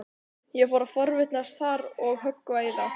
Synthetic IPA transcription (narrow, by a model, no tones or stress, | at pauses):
jɛfɔɾafɔɾvɪt̪nast̪θaɾɔɣɦœkːvaːjða